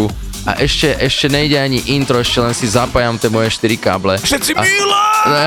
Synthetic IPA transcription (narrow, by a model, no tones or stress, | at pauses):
u | a̰ʔɛʃcɛʔɛʃcɛɲɛiɟɛaɲiʔint̪ɾɔɛʃcɛlɛnsizapajamt̪ɛmɔjɛʃt̪iɾika̰ːblɛʃɛt̪t͡sialaɛ